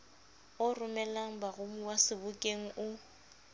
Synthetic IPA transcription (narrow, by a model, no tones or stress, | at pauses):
ʊrʊmɛlaŋ̩baɣʊmuwasɪbʊkʼeŋ̩ʔʊ